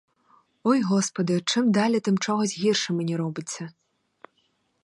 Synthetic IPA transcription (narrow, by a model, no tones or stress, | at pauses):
ojɣɔspɐd̪ɨʈ͡ʂʰɨmd̪alʲɐt̪ɨmʈ͡ʂɔɣɔsʲɣʲirʂɨmɨnʲiɾobɨt͡sʲːɐ